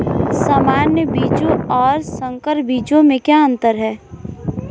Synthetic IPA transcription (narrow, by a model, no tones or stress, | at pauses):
samaːnjəbiːd͡ʒõɔːɾsə̃ŋkəɾbiːd͡ʒõmẽkjaə̃nt̪əɾɦɛː